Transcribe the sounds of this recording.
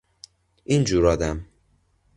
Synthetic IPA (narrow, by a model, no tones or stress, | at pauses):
ind͡ʒuːɾɒːd̪æm